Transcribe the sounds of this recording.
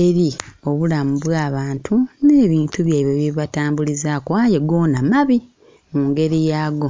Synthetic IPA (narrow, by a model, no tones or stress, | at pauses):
eɾio̞βulamuβwaːβaːntʰune̞ːβiːntuβjaiβoβiβataːmbulizaːkowaːjeɡo̞ːnamaβi | muːŋɡe̞ɾijaːɡo̞